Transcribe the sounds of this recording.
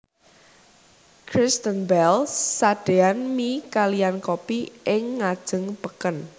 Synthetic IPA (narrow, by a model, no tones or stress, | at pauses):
kʰɾɪst̪ənbɛlːad̥eanmikalijankopiʔɪŋːad̥ʒ̥ə̤ŋpəkən